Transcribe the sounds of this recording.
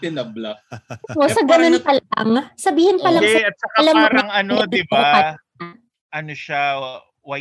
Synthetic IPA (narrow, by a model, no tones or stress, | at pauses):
t̪ɪnɐblɐʔosɐɡɐnonpɐla̰ŋsɐbiːhɪnpɐlɐŋɛɐɐt̪̚sɐkalɐmːɾŋɐnod̪ɪbaɐ | ʔɐnoʃa | wɐ